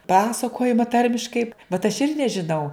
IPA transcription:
ˈpɑːsɐkoːjɪmɐ ˈtɐrʲmʲɪʃkɐɪ bʲɛt ɐʃ ˈɪr nʲɛʒʲɪˈnɐʊ

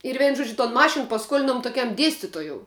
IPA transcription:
ɪr ˈʋʲɛɪnʊ ˈʒuɔd͡ʒʲʊ toːn ˈmɑːʃʲɪn pɐˈskuɔlʲɪnoːm toːˈkʲɛm ˈdʲiɛsʲtʲɪtoːjoːʊ

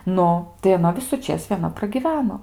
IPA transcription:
ˈnʊ tɐɪ ɐˈnɐ ʋʲɪsʊˈt͡ʃʲeːs ʋʲiɛˈnɐ prɐɡʲɪˈʋʲæːnoː

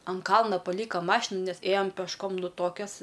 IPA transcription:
ɐn ˈkɐlˠnɐ pɐˈlʲiːkɐ ˈmɑːʃʲɪnɐ ˈnʲɛs ˈeːjɛm pʲɛʃˈkoːm ˈnʊ ˈtoːkʲɛs

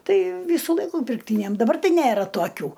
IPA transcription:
ˈtɐɪ ˈʋʲiːsʊ ˈlˠɐɪkʊ pʲɪrkˈtʲiːnʲɛm ˈdɑːbɐr ˈtɐɪ ˈnʲærɐ toːˈkʲuː

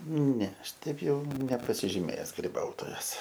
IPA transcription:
nʲɛ ˈɐʃ ˈtʲɛɪp ˈjɛʊ nʲɛpɐsʲɪʒʲɪˈmʲeːjɛs ɡrʲɪˈbɐʊtoːjɛs

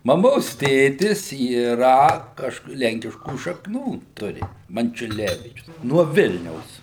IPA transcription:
mɐˈmoːs ˈtʲeːtʲɪs iːˈrɐ ˈkɐʃk ˈlʲɛŋʲkʲɪʃkuː ʃɐkˈnuː ˈtʊrʲɪ mɐnʲt͡ʃʲʊˈlʲæːʋʲiːt͡ʃʲʊs nuɔ ˈʋʲɪlʲnʲɛʊs

